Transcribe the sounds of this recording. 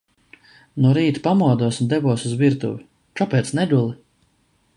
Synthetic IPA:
nuɔɾiːt̪pamuɔd̪uɔsund̪ɛvuɔsuzviɾt̪ṵvi | t͡ʃɔpɛːt̪snɛɡ̪ulˠi

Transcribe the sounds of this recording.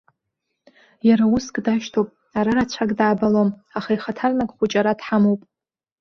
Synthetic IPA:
jaɾauskʼdaʃtʰowpʼ | aɾarat͡ɕʷʰakʼdaːbalomaχaiχatʰarnakʼχʷʊt͡ʃʼaɾadħamowpʼ

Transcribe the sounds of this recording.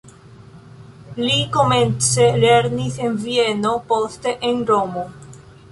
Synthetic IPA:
likoment͡seleɾnisenvieno̞post̪e̞ʔenɾomo

